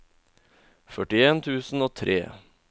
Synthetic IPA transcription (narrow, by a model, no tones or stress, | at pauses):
fœʈɪeːnt̪ʰʉːsn̩oːt̪ʰɾʔḛː